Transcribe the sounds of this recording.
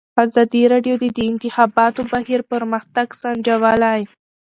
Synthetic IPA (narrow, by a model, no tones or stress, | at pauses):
azɑd̪iɾɑɖjod̪ed̪əɪnt̪ɪxɑbɑt̪obaɦiɾpəɾməxt̪aɡsand͡ʒawalaj